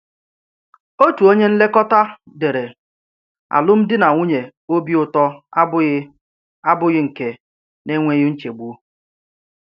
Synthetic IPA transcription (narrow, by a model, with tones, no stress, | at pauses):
o˦tu˨o˦ɲe˦n̩˦le˦kɔ˦ta˦ | de˨ɾe˨ | a̰˨lʊ˦m̩˦dɪ˦na˨ŋʷu˦ɲe˨o˦bi˦ʊ˦˨tɔ˦ | a˦bʊ˦ɣɪ˦ŋ̩˨ke˦ | ne˦ŋʷe˦jʊ˦n̩˦t͡ʃe˨ɡ͡bu˦